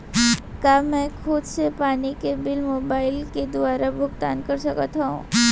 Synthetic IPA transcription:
kaːmɛ̃ːkʰʊːd̪sepaːnikebɪlmoːbaːɪlked̪ʊʋaːɾabʱʊɡt̪a̰ːnkɐɾsɐkət̪ɦaɦṵ̃ː

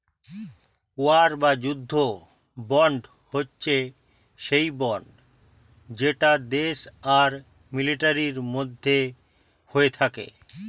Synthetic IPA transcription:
oaɾbad͡ʑud̪ʱːo | bɔɳɖ | hotːɕʰe | ʃejbɔɳɖ | d͡ʑeʈad̪eʃaɾ | miliʈaɾiɾmod̪ʱːe | hoet̪ʰakḛ

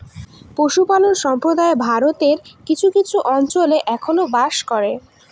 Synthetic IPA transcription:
poʃupalonʃɔmpɾod̪aebʱaɾot̪eɾkit͡ɕʰukit͡ɕʰuʔɔnt͡ɕoleʔɛkʰonobaʃkɔɾe

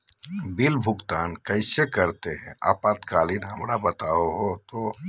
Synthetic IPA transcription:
bilbʱʊɡt̪aːnkəɪsekəɾt̪eɦɛ̰̃ʔa̰ːpat̪kaːlinɦəmɾabət̪aoɦot̪o

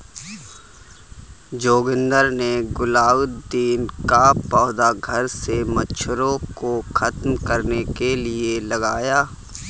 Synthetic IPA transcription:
d͡ʒoːɡɪ̃nd̪əɾneɡʊlaːʊt̪d̪iːnkapɔːd̪aɡʱɐɾsemɐt͡ʃʃʰɾõkoxɐt̪mkɐɾnekelielɐɡaːjaː

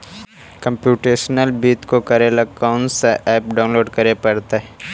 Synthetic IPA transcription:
kɐ̃mpjuːʈeːʃnəlbiːt̪kokɐɾelɐkaʊnseʔɛːp̚ɖaːʊnloːɖkɐɾepɐɾt̪eɦɛ

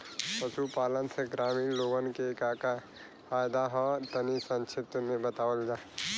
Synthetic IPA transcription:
pəsupaːlənsʰeɡɾaːmiloːɡənkekaːka | faːjd̪aɦɔt̪ənisə̃nt͡ʃʰɪt̪əmẽbət̪aːwəld͡ʒaː

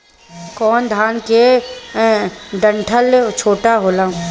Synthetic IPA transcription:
kɔːnd̪ʱaːnke | ɖə̃ɳʈʰəlt͡ʃʰoːʈaɦoːlaːũ

